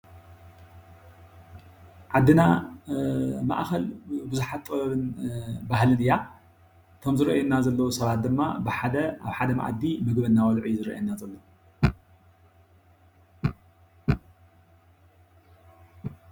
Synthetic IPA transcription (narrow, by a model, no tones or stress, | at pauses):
ʕad̪ːina | ma̰ʔxɐlbɨzuħat̪ːʼɐβɐβɨnbahlɨnɨjːa | t̪ʰo̞mzɨɾʔajɛnːazɐlːɐwusɐβat̪̚d̪ɨmːa̰bɨħad̪ɐa̰βħad̪ɐma̰ʔa̰d̪imɨɡbɐnːawɐlʕuzɨɾḭʔa̰nːazɐlːo